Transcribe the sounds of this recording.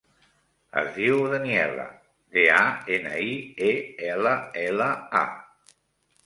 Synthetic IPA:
ə̰zðiwðəniɛlə̰ | ðeaenəieɛləɛləa̰

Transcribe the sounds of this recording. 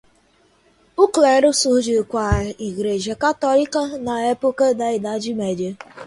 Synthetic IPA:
ʊkleɾʊsud͡ʒikʷaiɣɾed͡ʒekatɔlikanaepʊkadaidad͡ʒimede

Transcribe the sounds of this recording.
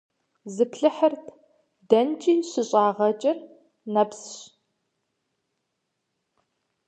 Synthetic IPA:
zɨpɬɨħɐrtʰ | dɐnt͡ʃʼiːɕɪɕʼaːʁɐt͡ʃʼɪr | nɐpsɕ

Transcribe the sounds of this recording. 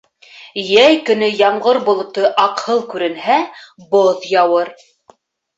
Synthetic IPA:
jæjkɵ̆nɵjɑɴʁɤɾbŏlˠŏt̪ɤʔɑqhɤlˠkʉɾɘ̆nhæboðjɑwɤɾ

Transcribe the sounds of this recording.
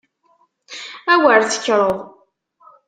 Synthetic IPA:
æwəɾθə̥çːɾˤəðˤ

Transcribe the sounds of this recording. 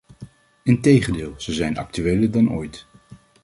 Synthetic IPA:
ɪntejχəndɪːlˠz̥əzɛjnɑ̰k̚tyʋejlədɑno̰jt

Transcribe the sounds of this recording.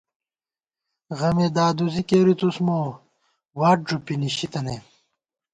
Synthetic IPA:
ɣɐmed̪aːd̪uzikeːɾit̪usmo | waːʈ̚ʐupiniɕit̪ɐne

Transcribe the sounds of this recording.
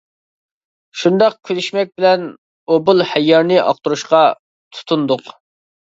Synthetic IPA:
ʃund̪ɑq̚kʲʰylyʃmɛk̚ʲbɪlɛn | obʊlˠhɛjːɑɾnɪʔɑ̰q̚t̪uɾuʃqɑ | t̪ʰu̥t̪ʰund̪ʊq

